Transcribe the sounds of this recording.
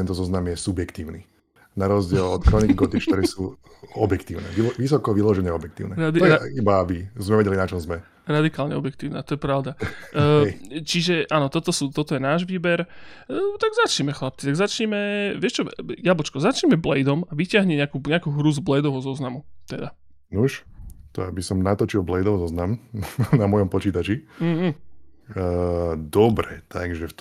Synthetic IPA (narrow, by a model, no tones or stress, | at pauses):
ɛnt̪ɔzɔznamjɛsubjɛkt̪iːʊnḭ | naɾɔzɟɪɛlɔt̪kɾɔniɣɡɔt̪it͡ʃt̪ɔɾɛsuː | ɔbjɛkt̪iːʊnɛ̰iɔʋis̬ɔkɔʋilɔʒɛɲɛɔbjɛk̚t̪iːʊnɛɾad̪it̪ibaabizmɛʋɛɟɛlinat͡ʃɔmzmɛ | ɾad̪ikaːlɲɛ̰ɔbjɛkt̪iːʊnat̪ɔjɛpɾaʊd̪a | t͡ʃiʒɛʔaːnɔt̪ɔt̪ɔsuːt̪ɔt̪ɔjɛnaːʒʋiːbɛɾ | t̪aɡzat͡ʃɲɛmɛxlap̚t͡sit̪aɡzat͡ʃɲimɛʋɪɛʃt͡ʃɔjabɔt͡ʃkɔzat͡ʃɲɛmɛblɛjd̪ɔmaʋicɪaɦɲɛɲɛakuːɲɛakuːɦɾuzblɛjd̪ɔʋɔzɔznamut̪ɛd̪a | nuʃt̪ɔabisɔmnat̪ɔt͡ʃilˠblɛjd̪ɔʋzɔznamnamɔjɔmpɔt͡ʃiːt̪at͡ʃiː | əd̪ɔbɾɛt̪ʰaɡʒɛft̪